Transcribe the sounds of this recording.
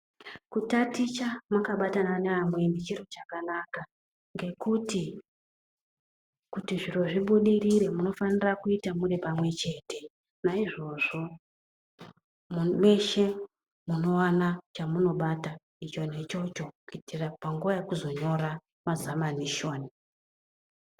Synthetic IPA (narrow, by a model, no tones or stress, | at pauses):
kutatit͡ʃamakaɓatananeamwe̞ndet͡ʃirot͡ʃakanaka | ŋɡe̞kuti | kutiʐiro̞ʐiɓuɗiriɾe̞muno̞fanirakuitamuɾepamwe̞t͡ʃe̞ːte̞ | naiʐo̞ʐo̞ | mumwe̞ʃe̞ | muno̞wanat͡ʃamuno̞ɓata | it͡ʃo̞ne̞t͡ʃo̞t͡ʃo̞kuitʰirapaŋɡuʋajekuzo̞ɲo̞ɾa | mazamaniʃo̞ːni